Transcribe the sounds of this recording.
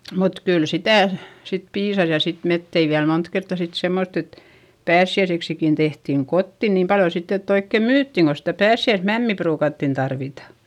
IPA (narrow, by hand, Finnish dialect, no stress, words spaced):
mut kyl sitæˑ sit piːsɑs jɑ sit met tei ʋiæl mont kertːɑ sit semːotː et pæːsːiæiseksikin tehtiˑŋ kotːi niːm pɑljo sitː etː oikːe myːtːiŋ ko sitæ pæːsːiæismæmːi pruːkɑtːin tɑrʋitɑ